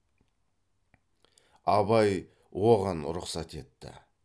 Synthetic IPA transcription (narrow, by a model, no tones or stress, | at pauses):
ɑbɑj | wo̞ʁɑnɾʊqsɑt̪e̞t̪ːɪ̰